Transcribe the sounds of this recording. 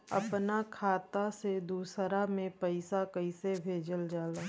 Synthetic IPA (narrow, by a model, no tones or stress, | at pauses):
ɐ̰pnakʰaːt̪ased̪uːsɾamẽpəɪsakɐiɪsebʱeːd͡ʒəld͡ʒaːlaː